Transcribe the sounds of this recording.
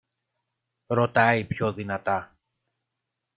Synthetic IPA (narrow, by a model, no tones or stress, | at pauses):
ɾo̞t̪ɐipço̞ðinɐt̪ɐ